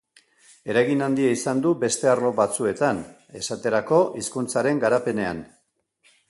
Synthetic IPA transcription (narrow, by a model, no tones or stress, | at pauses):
e̞ɾajɣinand̪iaisand̪ube̞st̪e̞arlo̞βat͡sue̞t̪an | e̞sat̪e̞ɾako̞ʔiskunt͡saɾe̞ŋɡaɾape̞ne̞a̰n